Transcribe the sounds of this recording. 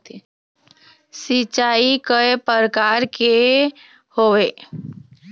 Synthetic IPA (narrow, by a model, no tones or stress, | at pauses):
sit͡ʃaːikəepəɾkaːɾke | hoʋe